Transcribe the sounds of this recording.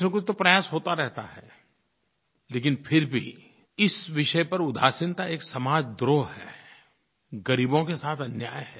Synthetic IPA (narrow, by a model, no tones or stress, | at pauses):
mẽkʊt͡ʃʰt̪opɾɐjaːsɦoːt̪aɾɛɦt̪a̰ɦɛ̰ː | leːk̬ɪnpʰɪɾbʱḭ | ɪsʋɪʃəpɐɾʊd̪ʱa̰ːsɪnt̪aeːksɐmaːd͡ʒd̪ɾoːɦɦɛ̰ː | ɡɐɾiːbõkesaːt̪ʰɐnjaːjɦɛː